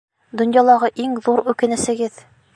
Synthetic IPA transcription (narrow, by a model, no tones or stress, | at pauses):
d̪ŏnjɑlˠɑʁɤʔiŋðuɾʉkɘ̆nɘ̆sɘ̆ɡɘð